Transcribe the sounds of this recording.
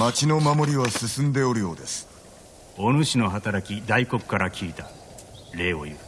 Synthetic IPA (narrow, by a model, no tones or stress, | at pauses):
mat͡ɕino̞mamo̞ɾʲiβasɨsɨ̃nd̪e̞o̞ɾɯ̟jo̞ːd̪e̞sɨ̥ | o̞nɯɕino̞ɦat̪aɾakʲid̪aiko̞kɯ̟̥kaɾakʲʰiːt̪a | ɾe̞ːo̰jɯ̰